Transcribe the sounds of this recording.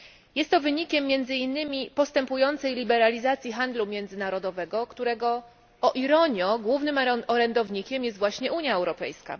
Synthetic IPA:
jɛst̪ːɔvɘɲikʲɛmːjɛnd̪zɘinːɘmʲipɔst̪ɛmpujɔnt̪sɛjlʲibɛɾalʲizat̪sʲjixand̪lumʲjɛnd̪zɘnaɾɔd̪ɔvɛɡɔkt̪uɾɛɡɔ | ɔʔiɾɔɲjɔɡwuvnɘmɔɾɛnd̪ɔvɲikʲɛmjɛst̪vwaɕɲɛuɲjaɛwɾɔpɛ̰jska̰

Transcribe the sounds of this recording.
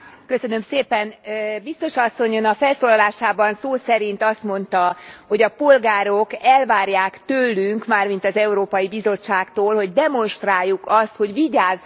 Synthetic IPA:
kø̞sø̞nø̞mseːpɛnbist̪o̞ʃɒsːo̞ɲonɒfɛlsoːlɒlaːʃaːbɒnsoːsɛɾint̪ɒst̪mo̞nt̪ɒho̞ɟɒpo̞lɡaːɾo̞kɛlvaːrjaːkt̪ølːyŋkmaːrmin̪t̪ɒzɛuɾoːpɒjibizo̞t͡ʃːaːkt̪oːlho̞ɟd̪ɛmo̞nʃt̪raːjːukɒst̪ho̞ɟʋiɟaːz

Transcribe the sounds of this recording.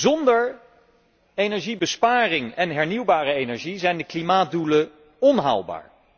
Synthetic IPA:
zɔndəɹ | ejnɛɹʒibəspaːrɪŋɛnɦɛɹniwbaːrəejnɛɹʒizɛjndəklimaːt̚dulə | ɔnɦa̰wlˠba̰ːɹ

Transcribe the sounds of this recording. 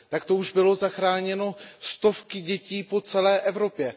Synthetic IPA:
t̪akt̪o̞uʒbɪlo̞zaxɾaːɲɛno̞st̪o̞fkɪɟɛciːpo̞t͡sɛlɛːʔɛvɾo̞pjɛ

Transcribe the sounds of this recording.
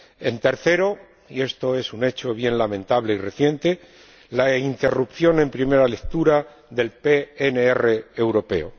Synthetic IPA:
e̞̰nt̪e̞ɾθe̞ɾo | ie̞st̪o̞e̞sune̞t͡ʃo̞βje̞nlamẽ̞nt̪aβle̞ire̞θje̞nt̪e̞ | laint̪e̞rupθjo̞nẽ̞mpɾime̞ɾale̞kt̪uɾa | ðe̞lpeeneere̞ːwɾo̞pe̞̰o

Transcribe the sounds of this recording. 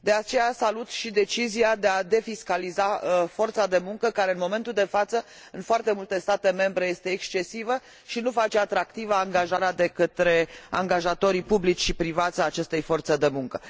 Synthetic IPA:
d̪e̞at͡ʃe̞jasalut̪ʃid̪e̞t͡ʃiziad̪e̞ad̪e̞fiskalizafo̞rt̪sad̪e̞muŋkəkaɾe̞ɨnmo̞me̞nt̪uld̪e̞fat̪sə | ɨnfoart̪e̞mult̪e̞st̪at̪e̞me̞mbɾe̞je̞st̪e̞ːkst͡ʃe̞sivə | ʃinufat͡ʃe̞at̪ɾak̚t̪ivəaŋɡaʒaɾead̪e̞kət̪ɾe̞a̰ŋɡaʒat̪o̞ɾipublit͡ʃʲʃipɾivat̪sʲaːt͡ʃe̞st̪e̞jfo̞rt̪səd̪e̞muŋkə

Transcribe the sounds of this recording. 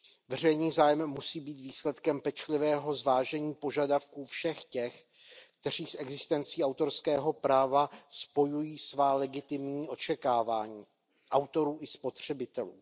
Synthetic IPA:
vɛr̝ɛjniːzaːjɛmːusiːbiːt̪viːslɛt̪kɛmpɛt͡ʃlɪvɛːɦo̞zvaːʒɛɲiːpo̞ʒadafkuːfʃɛxcɛx | kt̪ɛr̝iːsɛɡzɪst̪ɛnt͡siːawt̪o̞ɾskɛːɦo̞pɾaːvaspo̞jujiːsvaːlɛɡɪt̪ɪmɲiːʔo̞t͡ʃɛkaːvaːɲiː | ʔawt̪o̞ɾuːʔɪspo̞t̪r̝̥ɛbɪt̪ɛluː

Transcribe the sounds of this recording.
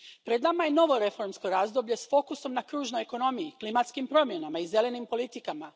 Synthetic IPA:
pɾed̪namajeno̞ʋo̞ɾe̞fo̞ɾmsko̞ɾaːzd̪o̞blʎe̞sfo̞kuso̞mnakɾuːʒno̞jeko̞no̞mijiklimat̪skimpɾo̞mje̞namaize̞le̞nimpo̞lit̪ikama

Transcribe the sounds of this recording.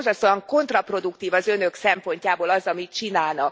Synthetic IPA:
zɒst̪oɒŋko̞nt̪rɒpro̞d̪ukt̪iːvɒzø̞nø̞ksɛmpo̞ɲcaːboːlɒzɒmit̪t͡ʃinaːlnɒk

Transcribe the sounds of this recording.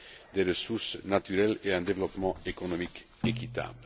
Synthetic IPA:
d̪eɾəsuɾsnat̪yɾɛleɛ̃d̪evlɔpmɑ̃ekonɔmik | ekit̪a̰ːbl

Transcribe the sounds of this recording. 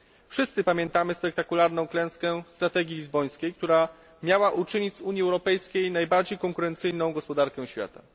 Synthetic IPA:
fʂɘst̪sɘpamʲjɛnt̪amɘspɛk̚t̪akulaɾnɔ̃w̃klɛ̃w̃skɛst̪ɾat̪ɛɡʲilʲizbɔj̃skʲejk̚t̪uɾa | mʲjawaʔut͡ʂɘɲit͡ɕzuɲjiɛwɾɔpɛjskʲejnajbaɾd͡ʑejkɔŋkuɾɛnt̪sɘjnɔ̃w̃ɡɔspɔd̪aɾkɛw̃ɕfʲja̰t̪a̰

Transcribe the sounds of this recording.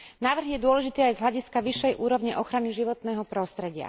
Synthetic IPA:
naːʋr̩ɦjɛd̪ʊɔlɛʒit̪iːajzɦlʎaɟiskaʋiʃːɛjʔuːɾɔʋɲiʔɔxɾaniʒiʋɔt̪nɛːɦɔpɾɔst̪ɾɛɟɪa̰

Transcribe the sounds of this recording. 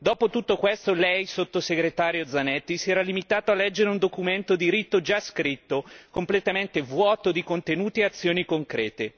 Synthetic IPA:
d̪ɔːpot̪ut̪ːokwest̪olɛjsot̪ːoseɡɾet̪aːɾjod̪zanɛt̪ːisiɛːɾalimit̪aːt̪oalːɛd͡ʒːeɾeund̪okument̪od̪iɾit̪ːod͡ʒaskɾit̪ːokomplet̪ament̪evwɔːt̪od̪ikont̪enuːt̪ieat̪sːjoːnikoŋkɾɛ̰ːt̪e

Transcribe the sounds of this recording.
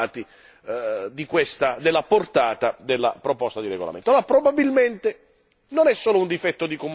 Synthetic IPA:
t̪i | d̪ikwest̪ad̪elːaport̪aːt̪ad̪elːa̰pɾopɔst̪ad̪iɾḛɡo̰la̰ment̪oopɾobabilment̪e | nonɛsːoːlound̪ifɛt̪ːod̪ikom

